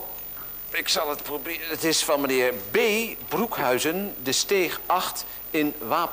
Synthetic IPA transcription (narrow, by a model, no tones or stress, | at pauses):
ɪksɑlˠətprobɪətɪsfɑnmənɪːɹbejbrukɦœɥzəndəstejχɑχt | ɪnʋaːp